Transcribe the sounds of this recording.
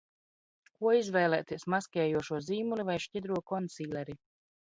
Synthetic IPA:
kuɔizvɛːlˠɛːt̪iɛsmaskʲɛːjuɔʃuɔziːmulʲivajʃcid̪ɾuɔkɔnt̪siːlʲɛɾi

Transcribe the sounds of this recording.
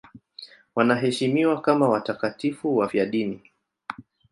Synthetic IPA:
wanaɦɛʃimiwakamawatakatifuwafjaɗini

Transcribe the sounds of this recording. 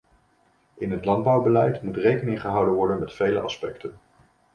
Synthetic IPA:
ɪnɦətlɑnd̚bɑwbəlɛjtmutrejkənɪŋχəɦʌwdənʋɔɹdənmɛtfejləʔɑ̰spɛktən

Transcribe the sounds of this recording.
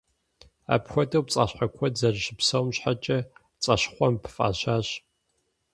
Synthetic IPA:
a̰ːpxʷɔdɐwpt͡sʼaːɕħakʷʰɔzɐrɕɪpsɐwmɕħat͡ʃʼɐ | t͡sʼɐɕχʷɔmpʰfʼa̰ːɕaːɕ

